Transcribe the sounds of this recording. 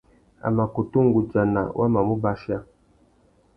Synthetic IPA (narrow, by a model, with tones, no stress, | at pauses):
a̰˨ma˨ku˨tu˦ŋɡu˨d͡ʒa˨na̰˨wʔa̰˦ma˨mu˦ba˦ʃja˦